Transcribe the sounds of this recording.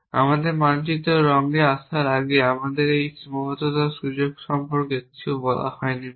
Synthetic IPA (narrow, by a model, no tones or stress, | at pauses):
a̰mad̪eɾmant͡ɕit̪oɾɔŋliasʰaɾaɡeamad̪eɾejmɔot̪ot̪aʃud͡ʑoɡʃɔmpoɾkeibɔla̰hɔeni